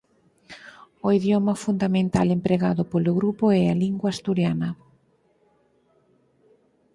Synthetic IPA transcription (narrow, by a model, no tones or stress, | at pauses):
oiðjɔmɐfund̪amẽnt̪alempɾeɣaðʊpolʊɣɾupʊɛaliŋɡwaːst̪uɾjanɐ